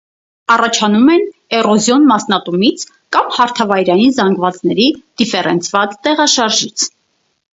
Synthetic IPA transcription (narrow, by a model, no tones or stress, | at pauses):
ɑrɑt͡ʃʰɑnumɛnɛrɔzjɔnmɑsnɑt̪umit͡sʰ | kɑmhɑɾt̪ʰɑvɑjɾɑjinzɑŋɡvɑt͡snɛɾid̪̥ifɛɾɛnt͡sʰvɑt͡st̪ɛʁɑʃɑɾʒit͡sʰ